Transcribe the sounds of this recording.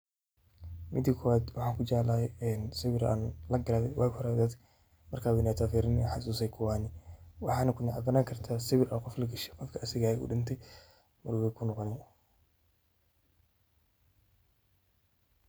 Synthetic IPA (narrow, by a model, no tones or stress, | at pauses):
mʔɪd̪ikʰɔwaːd̪wɑħɑːŋkʰʊt͡ʃalɐhɛjɛnsɪβɪɾa̰ːnlɐɡɐɾaːðɛjwʔaːkhɔɾɛd̪ɐd̪ | mɐrkʰaːwɛnat̪ʰaːfiːɾɪnħɑsuːsɛjkʰʊwaːnɪwɑħɑːnɐkʰʊnɐʔɐɡɐnaːŋkʰɐrt̪ʰaːsɪβɪɾʔaqɔflɐɡɐʃɛqɔfkʰɐʔɐsɪɣaːɛṵːɖɪnt̪ʰɛj | mʊɾwɛkʰʊnɔqɔnɪn